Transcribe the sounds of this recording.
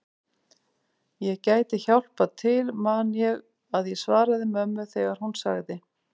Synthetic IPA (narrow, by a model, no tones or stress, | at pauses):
jɛɣcaːjt̪ɪçawl̥pat̪ʰɪlmaðnjɛɣ | aðjɛsvaːɾaðɪmœmːʏθɛɣaɾ̥hunsa̰ɣðɪ